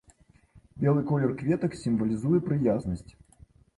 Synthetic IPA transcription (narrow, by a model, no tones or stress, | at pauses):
bʲɛlˠɨkɔlʲɛrkvʲɛt̪ɐksʲimvɐlʲizujɛpɾɨjaznɐsʲt͡sʲ